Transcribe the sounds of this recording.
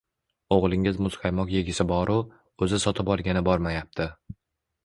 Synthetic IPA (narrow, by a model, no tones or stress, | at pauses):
oʁlˠɪŋɪzmʊzqʰɑjmɒqje̞ɡʲɪsɪbɒɾʊ | ɵzɪsɒt̪ʰɪpɒlˠɡʲanɪbɒɾmajap̚t̪ʰɪ